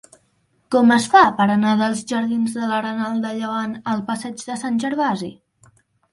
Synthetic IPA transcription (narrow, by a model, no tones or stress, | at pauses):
kɔməsfapəɾənaðəlˠzʒəɾðinzðələɾənalˠd̪əʎəβ̞anəlˠpəsɛd͡ʒðəsanʲʒəɾβazḭ